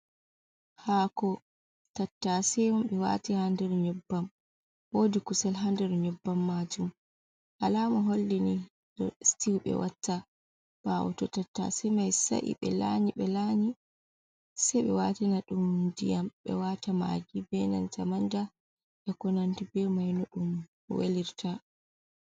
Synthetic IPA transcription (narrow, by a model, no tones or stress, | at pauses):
haːkɔ | tatːasɛmamɓɛwa̰tihandɛɾɲɔbːam | woːdikusɛlɦandɛɾɲɔbːamːad͡ʒum | ʔalamɔɦolːini | dɔstiwɓɛ̰watːa | b̥awɔ̰tɔtatːa̰sɛjmajsa̰ʔḭɓɛ̰laɲiɓɛlaɲi | sɛjɓɛ̰watinaɗumndḭjamɓɛ̰watama̰d͡ʒibɛna̰ntamanda | ʔɛkɔnantibɛmajnɔɗum | wḛliɾtʰa